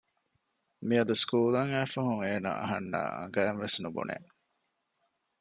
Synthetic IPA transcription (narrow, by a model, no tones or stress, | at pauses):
miɐd̪uskuːlɐŋæːfɐɦuŋeːna̰ɐ̰ɦɐnːa̰ːɐ̰ŋɡæːnʋesnubṵnḛʔ